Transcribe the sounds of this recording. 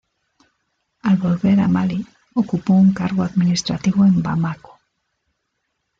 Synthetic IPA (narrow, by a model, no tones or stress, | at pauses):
alβo̞lβe̞ɾamali | okupo̞uŋkaɾɣoaðminist̪ɾat̪iβoembamako̥